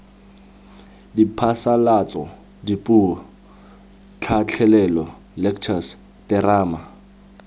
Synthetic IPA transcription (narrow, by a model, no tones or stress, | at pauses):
dipʰasalat͡sʼɔ | dipʼu | t͡ɬʰat͡ɬʰɛlɛlɔ | lɛkʰt͡ʃʰas | tɛraːma